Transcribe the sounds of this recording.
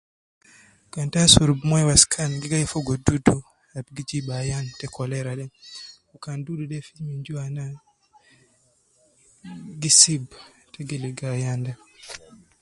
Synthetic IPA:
ɡantasuɾubmɔjwaskʰanɡiɡajɛfɔɡɔdudu | ab̚ɡid͡ʒiɓajantɛkʰɔlɛɾaɗɛn | ukanduduɗɛfimiɲd͡ʒuwana | ɡisibtɛɡeliɡajandɛ

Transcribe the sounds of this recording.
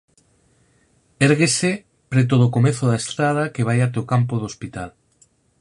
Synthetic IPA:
eɾɣese | pɾet̪oðokomeθoðaest̪ɾað̞akeβ̞ajat̪eokampoðospit̪al

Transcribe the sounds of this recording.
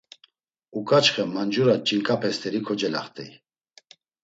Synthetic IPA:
ukʼat͡ʃχɛmand͡ʒuɾat͡ʃʼiŋkʼapʰɛst̪ʰɛɾikʰɔd͡ʒɛla̰χt̪ʰʼɛ̰j

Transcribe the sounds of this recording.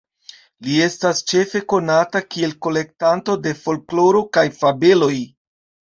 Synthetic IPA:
lie̞stast͡ʃe̞fe̞ko̞natakie̞lko̞le̞k̚tanto̞de̞fo̞lklo̞ɾo̞kajfabe̞lo̞j

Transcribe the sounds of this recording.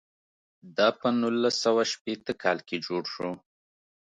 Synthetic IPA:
d̪ɑpənulːasawaʃpet̪əkɑlked͡ʒoɽʃo

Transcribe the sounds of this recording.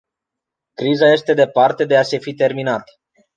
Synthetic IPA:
kɾizaje̞st̪e̞d̪e̞part̪e̞d̪e̞ase̞fit̪e̞rminat̪

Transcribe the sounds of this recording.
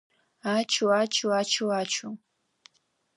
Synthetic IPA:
at͡ʃʊat͡ʃʊat͡ʃʊat͡ʃʰʊ

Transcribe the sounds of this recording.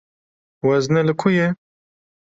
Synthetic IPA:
wɐznelɨkʰuje

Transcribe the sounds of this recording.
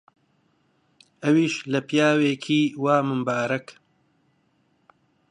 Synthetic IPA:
ɐwiːʃlɐpjaːweːkʰiːwaːmɨmbaːɾɐk

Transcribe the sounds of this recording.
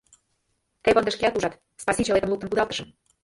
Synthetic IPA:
t̪epɤnd̪ə̆ʃkʲeɑt̪uʒɑt̪ | spɑsʲit͡ɕelˠet̪əmlˠuk̚t̪əmpud̪ɑlˠt̪ə̥̆ʃɤ̆m

